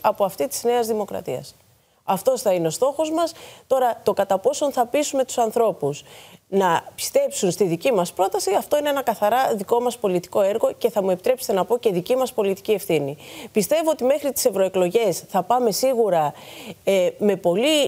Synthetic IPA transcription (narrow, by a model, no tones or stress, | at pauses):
ɐpo̞ɐft̪it̪i̥zne̞ɐzðimo̞kɾɐ̰t̪iɐ̰s | ɐft̪o̞sθɐineo̞st̪o̞xo̞zmɐst̪o̞ɾɐt̪okɐt̪ɐpo̞so̞nθɐpisume̞t̪u̥sɐnθɾo̞pusnɐpi̥st̪e̞psunst̪iðicimɐspɾo̞t̪ɐsiɐft̪o̞ine̞enɐkɐθɐɾɐðiko̞mɐspo̞lit̪i̥ko̞e̞ɾɣo̞ce̞θɐmue̞pit̪ɾe̞pse̥t̪e̞nɐpo̞ce̞ðicimɐspo̞lit̪i̥cie̞fθinipist̪e̞voot̪ime̞xɾit̪i̥se̞vɾo̞e̞klo̞ʝe̞sθɐpɐme̞siɣuɾɐ | me̞po̞li